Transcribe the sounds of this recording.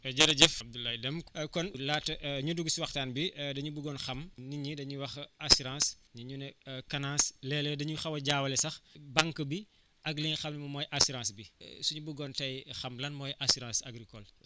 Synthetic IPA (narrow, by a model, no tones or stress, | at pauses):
ɐɟɐɾɐɟɛfb̚d̪ulajdɛmkɔnlaːtːʔɲuduɡsiwɐxtaːnbidɐɲubuɡɔnxɐmniɲidɐɲuwɐxɐsiɾãːsɲiɲunɛkɐnãːslɛːlɛdɐɲuxɐwɐɟaːwɐlɛsɐxbaŋkəbi | ʔɐɡlixɐmnimɐmɔːjʔɐsuɾãːsbisuɲubuɡɔntɐjxɐmlɐnmɔːjʔasuɾãːsɐ̰ɡɾikɔl